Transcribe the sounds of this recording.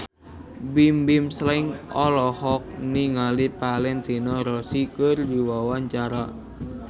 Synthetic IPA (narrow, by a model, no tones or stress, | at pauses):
bimbimslaŋɔlɔhɔk̚niŋalipalɛnt̪inɔɾɔsikərdiwawaɲt͡ʃaɾa